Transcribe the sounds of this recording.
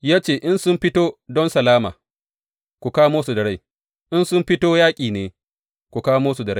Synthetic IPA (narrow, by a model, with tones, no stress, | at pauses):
jaː˦t͡ʃeː˦˨ʔɪ˦nsʊ˦mɸɪ˦toː˦dɔ˦nsɐ˨laː˦ma̰ː˨ | kʷu˨kaː˦moː˦su˨dɐ˨ɽa˦j | ʔɪ˦nsʊ˦mɸɪ˦toː˦jaː˦kʲʼiː˨neː˨ | kʷu˨kaː˦moː˦su˨dɐ˨ɽa˦˨